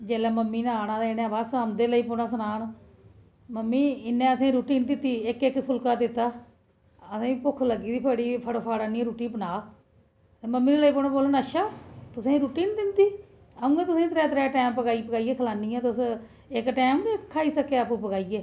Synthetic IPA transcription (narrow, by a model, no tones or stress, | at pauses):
d͡ʒɛːlɛːməmːiːnaːnãːd̪eɪnɛ̃ːbasəmd̪eːləiːponaːsənaːn | məmːiːɪnːẽːəsẽːɾuːʈiːnd̪ɪt̪ːiːɪkɪkpʰʊlkaːd̪ɪt̪ːaː | əsẽːpʊkʰləɡiːd̪iːpʰəɽiːpʰəɽpʰaːɽaːnĩːɾuːʈiːpənaː | t̪eːməmːiːd̪eːləiːpoːnãːboːlənəʃaːt̪ʊsẽːɾuːʈiːnd̪ɪnd̪iː | əũːẽːt̪ʊsẽːt̪ɾɛːt̪ɾɛːʈɛːmpəɡaːipəɡaːiːɡeːkʰəlaːniːãːt̪ʊs | ɪkʈɛːmːɪkʰːaːiːsəkeːaːpũːpəɡaːiːɡeː